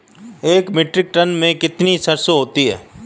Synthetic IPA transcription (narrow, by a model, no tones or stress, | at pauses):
eːkmɪʈɾɪk̚ʈɐnmẽkɪt̪nisɐɾsoɦoːt̪iɦɛ̰ː